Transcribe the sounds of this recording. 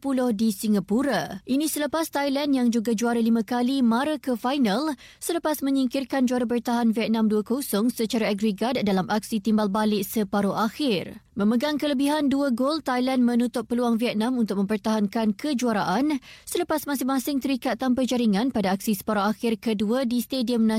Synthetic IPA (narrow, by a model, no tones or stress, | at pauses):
pulɔhdisiŋɡapuɾaʔinĩsələpast̪ajlɛndjaŋd͡ʒuɡad͡ʒuaɾalimãkalimaɾakəfajnal | sələpasmə̃ɲiŋkɪrkand͡ʒuaɾabərt̪aɦanviɛt̪̚nãmduakosɔŋsət͡ʃaɾaaɡɾəɡad̚dalamʔak̚sit̪imbalbalɪʔsəpaɾoʔaxɪrmə̃məɡaŋkələbiɦanduəɡolt̪ajlɛndmə̃nut̪ʊp̚ːəluaŋviɛt̪̚nãmunt̪ʊk̚mə̃mpərt̪aɦankankəd͡ʒuaɾaʔansələpasmasɪŋmãsɪŋt̪əɾikat̪ːampərd͡ʒaɾiŋãnpadaak̚sisə̥paɾoaxɪrkəduadist̪ediəmnã